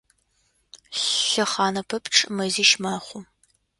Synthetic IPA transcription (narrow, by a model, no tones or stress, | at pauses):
ɬɐχɑːnɐpʰɐpʰʈ͡ʂʼmɐziːʃmaːχʷʊ